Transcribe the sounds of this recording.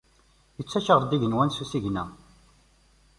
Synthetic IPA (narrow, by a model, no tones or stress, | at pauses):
jət͡sːæʃəʁˤɾˤd̪iʝənwænsusiʝnæ̰